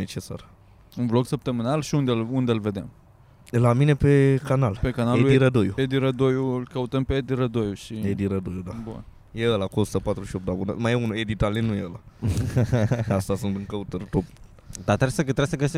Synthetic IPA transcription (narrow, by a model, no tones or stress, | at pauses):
et͡ʃesa̰r | unvloksəp̚t̪əmɨnalʃiund̪elund̪eɨlve̞d̪em | lamine̞pe̞kanalpekanaleuiɾəd̪ojued̪iɾəd̪ojuɨlkəut̪əmpeed̪iɾəd̪o̞juʃied̪iɾəd̪ojud̪abṵn | jeəlakuosu̥t̪əpat̪ɾuʃiop̚d̪abunə̰majeunued̪it̪alennujeəla | ast̪asunt̪ɨŋkəut̪ərt̪op | d̪at̪ɾesət̪ɾesəɡəse